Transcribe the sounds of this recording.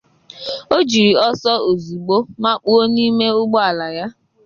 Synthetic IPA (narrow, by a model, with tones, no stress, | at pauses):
o˦d͡ʒi˨ɾi˨ɔ˦sɔ˦o˨zu˨ɡ͡bo˦ma˦k͡pu˦o˦niː˦me˦ʊ˦ɡ͡bɔ˦a˨la˨ja˦